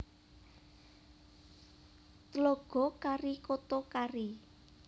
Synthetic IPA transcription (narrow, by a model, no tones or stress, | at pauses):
t̪loɡ̥ɔ̤kaɾikot̪okari